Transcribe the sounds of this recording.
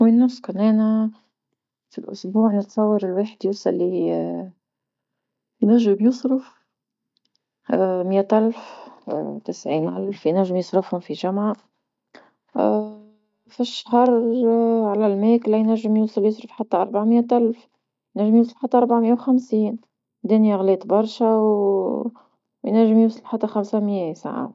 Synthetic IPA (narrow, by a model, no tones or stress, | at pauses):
winːʊsˤːkʊnːænæ | filʔʊ̰sbuːʕnɪt̪sˤɑwːɑɾˤɪlweːħɪd̪jusˤɑlːi | jnæʒːɪbjɪsˤɾɪf | mjæt̪ʔalf | t̪ɪsʕiːnʔa̰lfjnæʒːɪmjɪsˤɾɪfhʊmfiʒamʕa | fiʃːhɑɾˤ | ʕalælmæːklæjnæʒːɪmjusˤljʊsˤɾəfħat̪ːæʔɑɾˤbaʕməjæt̪ʔælf | jnæʒːɪmjus̬ˤlfħat̪ːæʔɑɾˤbaʕmɪjːæwxæmsiːn | d̪æːnjæɣlɛːt̪bɑɾˤʃæw | jnæʒːɪmjusˤɑlħat̪ːæxamsæmjæsa̰ʕa̰t̪